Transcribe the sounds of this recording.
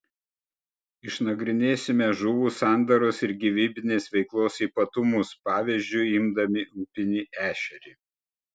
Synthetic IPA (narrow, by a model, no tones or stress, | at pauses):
ɪʃnɐɡɾʲɪnʲeːsʲɪmʲɛʒʊʋuːsɑˑnd̪ɐɾʊsɪɾɡʲiʋʲiːbʲɪnʲeːsʋʲɛɪklˠoːsiːˑpɐt̪ʊmʊspɑːʋʲizʲd͡ʒʲʊɪɪmd̪ɐmʲɪʔuːpʲɪnʲiːʔæːʃʲɛɾʲiː